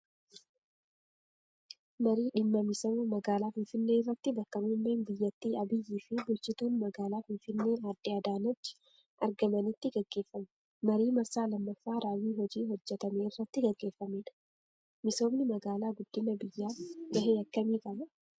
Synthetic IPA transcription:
mɐɾiːᶑɪmːɐmɪsɐmʊmɐɡaːlaːfɪnfɪnːeːɪrːɐt̪ːɪbɐkːɐmumːeːnbɪjːɐt̪ːiːɐbɪjːiːfɪbʊlt͡ʃɪt̪uːnmɐɡaːlaːfɪnfɪnːe̞ːaːd̪ːɪɐːd̪aːnɐt͡ʃːɪ̥ | ʔɐ̰ɾɡɐmɐnɪt̪ːɪɡɐɡːe̞ːfːɐm | mɐɾiːmɐɾsaːlɐmːɐfːaːɾaːwiːɦɔd͡ʒiːhɔd͡ʒːɛt̪ɐme̞ːɪrːɐt̪ːɪɡɐɡːe̞ːfːɐmeːᶑɐ̥ | mɪso̞ːbnɪmɐɡaːlaːɡʊd̪̥ːɪmɐbɪjːaːɡɐɦeːɐkːɐmiːkɐmɐ

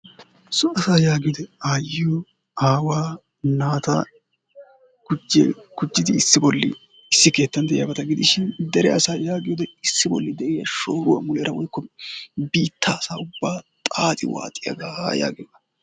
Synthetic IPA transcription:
sɔɐsaːjaːɡɪjɔd̪ɛaːjɪjɔ | aːwaː | naːt̪ɐ̰ | ɡ̥ʊd͡ʒɛ̰ɡ̥ʊd͡ʒːɪd̪ɪːsːɪbɔlːɪ̰ | sːɪke̞ːt̪ːɐnd̪ɛjɪjɐbɐt̪ɐɡɪd̪ɪʃɪnd̪ɛɾɛɐsaːjaːɡɪjɔd̪ɛɪsːɪbɔ̰lːɪd̪ɛʔɪjɐʃoːɾʊwɐ̰mʊlɛɾɐwɔjkːɔbiːt̪ːaːsaːʊbːaːt̪ʼaːt̪ʼɪ̰wa̰ːt̪ʼːɪjɐ̰ɡaːja̰ːɡɪjɔd̪ɐ

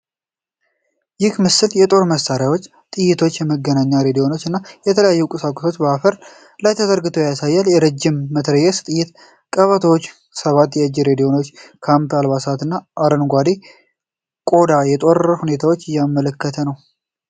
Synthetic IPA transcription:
jɪhmɨsɨljɛt̪ʼo̞ɾməsaɾjawo̞t͡ʃː | t̪ʼɨjːɪt̪ʰo̞t͡ʃːjɛməɡːənaɲːaɾe̞d̪ijo̞no̞t͡ʃːɨnːajɛt̪ʰələjajːukʼɨsakʼosot͡ʃːbəafəɾ | lajt̪ʰəd̪əɾɡɨt̪ʰojasajːaljɛɾəd͡ʒːɪmːət̪ʰɾəjɛst̪ʼɨjɪt̪ | kʼəβət̪ʰəwot͡ʃː | səβat̪ːjɛɨd͡ʒːɪɾe̞d̪ijo̞no̞t͡ʃːkʰampalβasat̪ɨnːaʔaɾənɡʷad̪e | kʼo̞d̪ajɛt̪ʼo̞ɾəhune̞t̪ʰawot͡ʃːɨjamːələkːət̪ʰənəw

